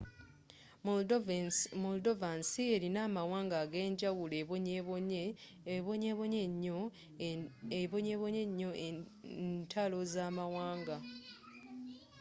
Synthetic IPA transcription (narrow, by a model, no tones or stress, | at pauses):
moldovansie̞ɾinaːmawaːŋɡaːɡe̞ːɲɟawuleɲ | βoɲeβoɲeɲo | eβoɲeβoɲeɲːo̞ʔenntʰalo̞zaːmawaːŋɡa